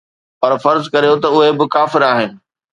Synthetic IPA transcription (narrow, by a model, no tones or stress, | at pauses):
pɐɾfɐɾzkɐɾijot̪ɐʊɦebɪkaːfɪɾaːɦɪnɪ̆